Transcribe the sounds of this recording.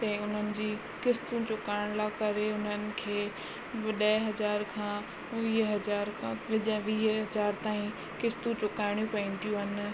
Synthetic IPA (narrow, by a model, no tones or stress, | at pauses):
t̪ɛ̃ːʊn̤ənɪ̆d͡ʑiː | kɪst̪ũt͡ɕʊkaːɪɽ̃lakɐɾeʊn̤ənɪ̆kʰeː | ʋɐɗɐɦɐd͡ʑaːɾkʰãː | ʋiːɦɦɐd͡ʑaːɾkʰãʋɪd͡ʑəʋiːɦɦɐd͡ʑaːɾt̪aːĩ | kɪst̪ũt͡ɕʊkaːɪɽ̃jũpɐ̃ɪ̃nt̪ijũɦɐnɪ̆